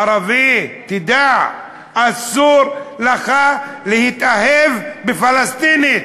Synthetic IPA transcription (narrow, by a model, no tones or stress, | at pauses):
aɾavit̪id̪aʕ | asuɾlaχalehit̪ahevbefalast̪ini